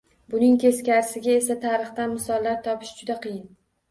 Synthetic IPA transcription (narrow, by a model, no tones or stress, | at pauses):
bʊnɪŋt̪ʰe̞skʲaɾɪsɪɡʲae̞sat̪ʰaɾɨχt̪anmɪsɒlːaɾt̪ʰɒpʰɪ̥ʃd͡ʒʊd̪aqʰɨjɪn